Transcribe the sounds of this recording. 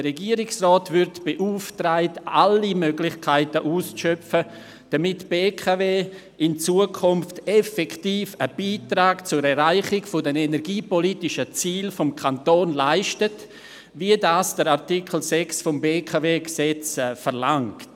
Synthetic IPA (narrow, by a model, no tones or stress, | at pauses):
d̥əɾɛɡiəɾɪksrɔːtvʏɾtb̥eʔuːftraɪtalimøɡlɪçkʰaɪtəʔuːst͡sʃœfə | d̥amɪtb̥eːkʰaveː | ʔɪnt͡suːəkʰʊmftɛfɛkʰtiːfəb̥iːtɾaːɡt͡sʊɾɛɾɾaɪχɪɡfʊdɛnenɛɾɡiːpɔlitɪʃət͡siːlfɔmkʰantoːnlaɪʃtət | viədaːsd̥əɾaʁtikʰl̩sɛksfʊmbeːkʰaveːɡsɛt͡sfəɾlaŋkt